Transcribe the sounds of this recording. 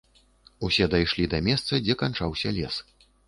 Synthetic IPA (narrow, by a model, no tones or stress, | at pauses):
usʲɛd̪ajʂlʲid̪ɐmʲɛst̪sɐd͡zʲɛkant͡ʂawsʲɐlʲɛs